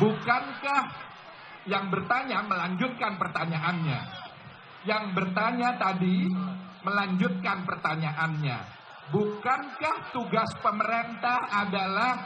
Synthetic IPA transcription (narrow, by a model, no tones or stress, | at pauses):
bukankah | jaŋbərt̪aɲaməlaɲd͡ʒʊt̪̚kanpərt̪aɲaʔanɲa̰ | jaŋbərt̪aɲat̪adiməlaɲd͡ʒʊt̪̚kanpərt̪aɲaʔanɲa̰ | bukankaht̪uɡaspəməɾent̪ahadalah